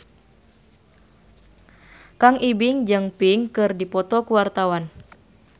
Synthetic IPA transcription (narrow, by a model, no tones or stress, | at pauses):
kaŋibiŋd͡ʒɨŋpiŋkɨrdipɔt̪ɔkuwart̪awan